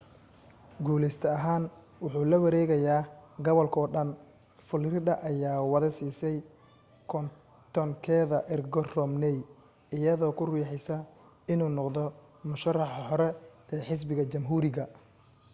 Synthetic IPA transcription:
ɡuːlɛst̪ʰɐɐɦaːn | wʊħuːlɐwɐɾɛːɣɐjaːɡɐβɔlkʰɔːɖɐn | fʊlrɪdɐʔɐjaːwɑðɐsiːsɛj | kʰɔn | t̪ʰɔŋkʰɛːðɐʔɪrɡɔrɔmnɛj | ɪjɐðɔːkʰʊruːħɛjsɐ | ɪnuːnɔqd̪ɔ | mʊʃɐrɑħɑħɔɾɛɛːħɪs̬bɪɣɐt͡ʃɐmɦuːɾɪɣɐ

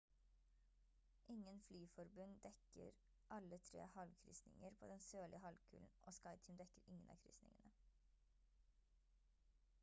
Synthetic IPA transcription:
ʔɪŋənflyːfɔɾbʉnd̪ɛkə̰ɾ | ʔɑlət̪ʰɾḛːhɑlkʰɾʏ̰snɪ̰ŋəɾpʰoːd̪ɛnsøːlɪəhɑlkʰʉ̰ːln̩ʔo̰ːskɑɪt̪ʰʏmd̪ɛkəɾɪŋənɑ̰ːkʰɾʏ̰snɪ̰ŋənə

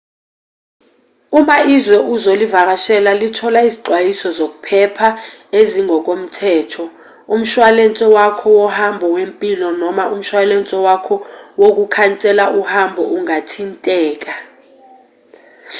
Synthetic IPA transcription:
umaʔizwɛʔuzolivak̬aʃɛlalitʰɔlaiziǃwajisɔzok̬upʰɛpʰaeziŋʱɔk̬om̩tʰɛːtʰɔ | um̩ʃwalɛnt͡sʼɛwakʰɔwɔhambʱɔwempʼilɔnɔmaʔum̩ʃwalɛnt͡sʼɛwakʰɔwok̬ukʰant͡sʼɛlaʔuhambʱɔʔuŋatʰintʼɛːk̬ʼa

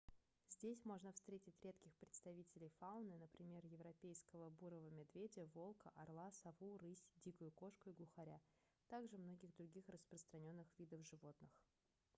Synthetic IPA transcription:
zʲdʲesʲmo̞ʐnəfst̪ɾʲetʲɪtʲɾʲe̞t̪kʲɪxpɾʲɪt̪st̪ɐvʲitʲɪlʲɪjfaʊnɨnəpɾʲɪmʲe̞rjɪvɾɐpʲejskəvəbuɾəvəmʲɪd̪vʲedʲɪəvo̞lˠkəʔɐrlˠasɐvuɾɨsʲdʲikʊjʊko̞ʂkʊɪɡlˠʊxɐɾʲa | t̪aɡʐɨmno̞ɡʲɪɣd̪ɾʊɡʲixrəspɾəst̪ɾɐnʲo̞nːɨxvʲid̪əfʐɨvo̞t̪nɨx

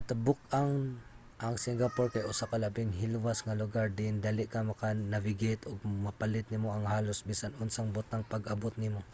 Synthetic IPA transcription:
t̪abʊk̚ʔaŋ | ʔɐŋsɪŋɡapoɹkajʔʊsakɐlɐbɪŋɦɪlwasŋalʊɡaɹd̪ɪɪnd̪aːlɪʔkamɐkanɐvɪɡɪt̪ʔoɡ̚mɐpalɪt̪̚nɪmoɐŋhaːlosmisanʊnsaŋbʊt̪aŋpɐɡʔɐbot̪̚nɪmo

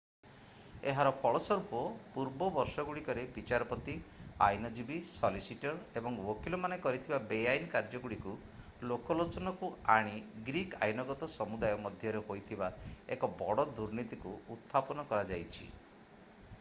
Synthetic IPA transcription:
eɦaɾɔpʰɔɭɔsɔɾupɔpuɾbɔbɔɾsɔɡuɽikɔɾebit͡ʃaɾɔpɔt̪ia̰jnɔd͡ʒibisɔlisiʈɔɾebɔŋwokilɔmanekɔɾit̪ʰibabeajnɔkaɾd͡ʒɔɡuɽiku | lokɔlot͡ʃɔnɔkuaɽ̃iɡɾika̰jnɔɡɔt̪ɔsɔmud̪ajɔmɔd̪ʱjɔɾehojt̪ʰibaḛkɔbɔɽɔd̪uɾnit̪ikuut̪ʰːapɔnɔkɔɾad͡ʒajt͡ʃʰḭ

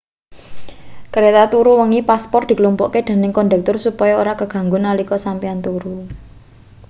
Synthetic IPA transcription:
kəɾet̪at̪uɾuwəŋipaspɔr̚d̪̥i̤kəlumpɔʔked̪̥a̤nɪŋkɔnɖ̪ɛk̚t̪ʊrsupɔjɔoɾakəɡ̥ä̤ŋɡʊnalikɔsampiant̪uɾu

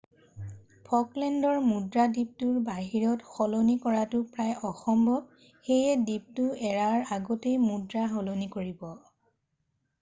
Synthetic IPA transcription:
pʰɔklɛndɔɹmudɹadip̚tʊɹbaɦiɹɔtxɔlonikɔɹatʊpɹajʔɔxɔmbɔ | xejɛdip̚tʊɛɹaɹaɡotejmudɹaɦɔlonikoɹibɔ

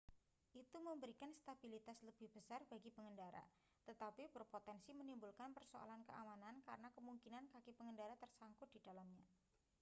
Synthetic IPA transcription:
ʔit̪uməmbəɾikanst̪abilit̪asləb̥ɪhb̥əsarbaɡipəŋəndaɾa̰ | t̪ət̪apibərpot̪ɛnsimənimbulkanpərsoa̰lankəʔamanankaɾənakəmuŋkinankakipəŋəndaɾat̪ərsaŋkʊd̥idalamɲa

